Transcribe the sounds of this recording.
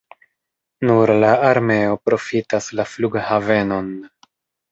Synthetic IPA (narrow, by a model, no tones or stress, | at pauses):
nuɾlaaɾme̞o̞pɾo̞fitaslafluɡhave̞no̞n